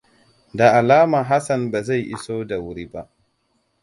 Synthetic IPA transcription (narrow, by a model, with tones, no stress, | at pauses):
da˨ʔa˨laː˦ma˨ɦa˦sɐ˨nbaː˨za˦˨jʔɪ̰˦soː˦da˨wʊ˦ɽiː˦ba˦ʔ